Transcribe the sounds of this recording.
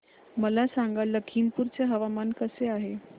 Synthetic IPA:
məlasaŋɡaləkʰinpuɾt͡seɦəʋamankəseaɦe

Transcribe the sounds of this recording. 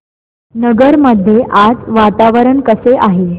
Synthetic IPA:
nəɡəɾməd̪ʱːjeʔad͡zʋat̪aʋəɾəɳkəseʔaɦe

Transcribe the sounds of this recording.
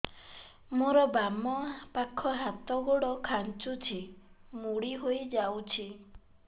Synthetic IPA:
moɾɔbamɔpakʰɔɦat̪ɔɡoɽɔkʰant͡ʃut͡ʃʰimuɽiɦojd͡ʒawt͡ʃʰi

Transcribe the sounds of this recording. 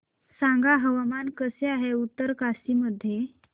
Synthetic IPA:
sãŋɡaɦəʋamankəseaɦeut̪ːəɾkasiməd̪ʱːje

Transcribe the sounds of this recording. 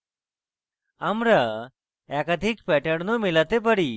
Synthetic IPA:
amɾə | ɛkət̪ikpɛʈəɽnomilat̪epəɽiː

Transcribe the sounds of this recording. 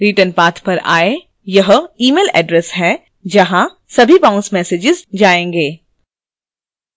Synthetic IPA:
ɾiʈənpaːt̪ʰpɐɾaːe | jɐɦiːmeːlɛ̰ːɖɾɛsɦɛ | d͡ʒɐɦã | sɐbʱibãʊ̃nsmɛːseːd͡ʒɪzd͡ʒaːẽːŋɡeː

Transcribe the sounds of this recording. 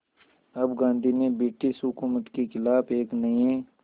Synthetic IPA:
ɐbɡãːnd̪ʱimẽbiːʈɪsɦʊkuːmət̪kixɪlaːbeːknɐĩẽː

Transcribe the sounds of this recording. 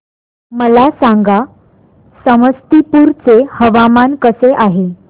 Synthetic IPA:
məlasãŋɡa | səməst̪ipuːɾt͡sehəʋamankəseʔaɦe

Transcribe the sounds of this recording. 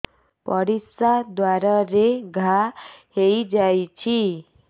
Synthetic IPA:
pʌɽisad̪waɾaɾeɡʱahejd͡ʒajt͡ʃʰi

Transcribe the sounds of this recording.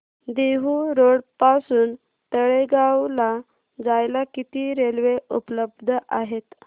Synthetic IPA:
d̪eɦuɾoɽpasuːn | t̪əɭeɡawla | d͡zajlakit̪iːɾelʋeupləb̚d̪ʱəʔaɦet̪

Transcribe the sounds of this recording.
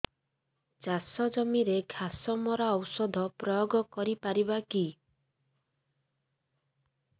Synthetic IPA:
t͡ʃasɔd͡ʒɔmiɾeɡʱasɔmɔɾaɔwsɔd̪ʱɔpɾɔjɔɡɔkɔɾipaɾibaki

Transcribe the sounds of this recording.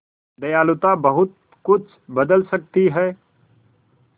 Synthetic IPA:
d̪ɐjaːlʊt̪ãbəɦʊt̪̚ | kʊt͡ʃʰbəd̪əlsək̚t̪iɦɛː

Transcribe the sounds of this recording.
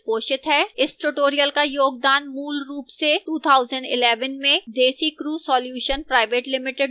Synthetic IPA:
poːʃɪt̪ɦɛːɪsʈuʈoːɾijəlkajoːɡ̚d̪aːnmuːlɾuːpseʈuːt̪ʰaːʊzəɳɖɪ̰lɛːʋənmẽd̪eːsikɾuːsɔːljuːʃənpɾaːɪʋeːʈlɪmɪʈɪɖ

